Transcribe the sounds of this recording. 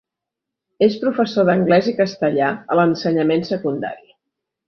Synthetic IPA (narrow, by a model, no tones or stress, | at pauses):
espɾufəsoðəŋɡlɛzikəst̪əʎaələnsəɲəmensəkund̪a̰ɾi